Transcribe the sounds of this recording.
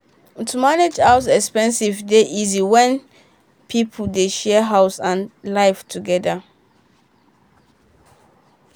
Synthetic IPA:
tʰumaned͡ʒaʊs̬ɛkspɛ̃nsivdeʔiziwɛ̃n | pʰipʰdeʃɛɦaʊsãnlaɪftʰuɡɛda

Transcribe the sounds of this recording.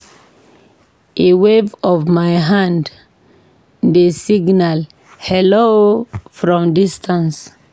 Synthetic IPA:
ʔewevɔvmaɪɦãnd | desiɡnal | hɛlofɹɔ̃mdistʰãns

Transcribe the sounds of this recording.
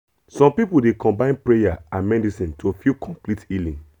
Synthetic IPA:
sɔ̃mpipudekʰɔ̃mbãɪ̃npɹejaãnmɛdisĩntʰofikʰɔ̃mplitilĩŋ

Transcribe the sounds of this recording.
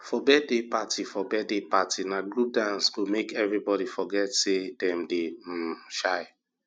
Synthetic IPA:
fɔbɛdepatʰifɔbɛdepatʰinaɡɹup̚dãnsɡ̥omekɛvɹibɔɾifɔɡɛtsedɛ̃mdeʃaɪ

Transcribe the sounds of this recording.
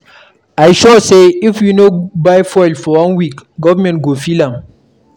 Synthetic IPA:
ajʃɔseɪfjinobaɪfɔɪlfɔwãnwikɡɔvəmɛ̃ntɡofilãm

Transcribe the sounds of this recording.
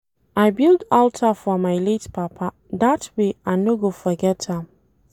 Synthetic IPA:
ʔajbildɔltʰafɔmajlitpʰapʰa | datʰweanoɡofəɡɛtʰã

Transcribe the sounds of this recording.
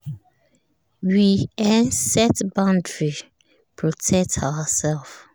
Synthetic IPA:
wiɛ̃nsɛtbãndɹi | pʰɹɔtʰɛk̚tʰawəsɛlˠf

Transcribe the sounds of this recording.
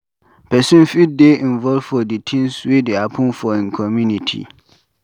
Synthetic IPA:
pʰɛsũnfideĩnvɔlvfɔditʰĩnswedeapʰʊ̃nfɔɪ̃nkʰɔmjũnĩtʰḭ

